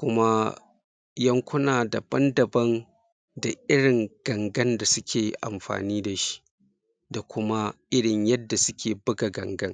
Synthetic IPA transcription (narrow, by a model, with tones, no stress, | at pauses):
kʷʊ˦ma˦ | jɐ˦ŋkʷʊ˦naː˨da˨b̥ɐ˦ndɐ˨bɐ˦n | da˨ʔɪ˦ɽɪ˨ŋɡ̥ɐ˨ŋɡɐ˦nda˨sʊ˦kʲʰeː˨ʔa̰˨mɸa̰ː˨niː˦da˨ʃi̥˦ | da˨kʷʊ˦ma˦ʔɪ˦ɽɪ˨ɲjɐ˦dːa˨sʊ˦kʲeː˨bʊ˦ɡa˨ɡɐ̰˨ŋɡɐ˦ŋ